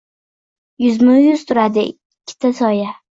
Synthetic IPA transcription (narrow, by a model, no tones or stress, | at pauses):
jʊzmʊjʊz̥t̪ʰʊɾad̪ɪːkʲʰːɪ̥t̪ʰasɒja